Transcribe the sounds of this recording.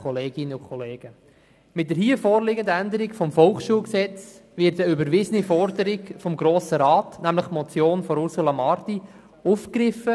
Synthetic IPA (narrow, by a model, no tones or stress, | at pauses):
ɔleːɡ̥ɪnəʊkʰɔleːɡ̥ə | mɪt̚d̥əɾɦiəfoːɾlɪɡəndəænd̪əɾikfɔmfɔlχʃuːlksɛt͡sʋɪtəybəɾʋɪzənifɔrdəɾikfɔmɡɾoːsəɾɑːtnæmləχmɔt͡sjoːnfɔɾuɾsulɑmɑɾti | ufkɾɪfə